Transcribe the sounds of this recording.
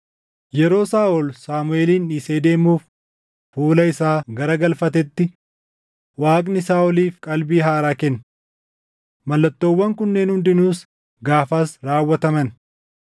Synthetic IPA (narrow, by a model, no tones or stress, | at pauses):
jɛɾo̞ːsaːʔɔlsaːmʊeːliːniseːd̪e̞ːmuːf | fuːlɐɪsaːɡɐɾɐɡɐlfɐt̪ɛt̪ːɪ | waːkʼnɪsaːʔɔliːfkʼɐlbiːɦaːɾaːkɛnː | mɐlːɐt̪ːoːwːɐŋkʊnːeːnhʊnd̪ɪnuːs | ɡaːfaːsɾaːwːɐt̪ɐmɐn